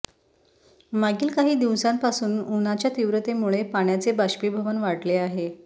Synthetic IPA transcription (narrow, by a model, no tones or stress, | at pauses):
maɡiːlkaɦiːd̪iʋsãmpasuːnunat͡ɕjat̪iʋɾət̪emuɭepaɳjat͡sebaɕpibʱəʋənʋaɽleaɦe